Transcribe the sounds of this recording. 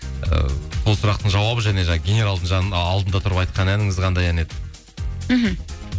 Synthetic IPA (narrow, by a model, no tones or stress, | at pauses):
ə̰so̞lˠsʊɾɑqt̪əɴʒɑwɑbəʒæne̞ʒɑɡʲenʲe̞ɾalˠd̪əɴʒɑːlˠd̪ənd̪ɑt̪ʰʊɾəpɑjt̪̚qɑnænɪŋɪzqʰɑnd̪ɑjæne̞d̪ɪ | ɦm̩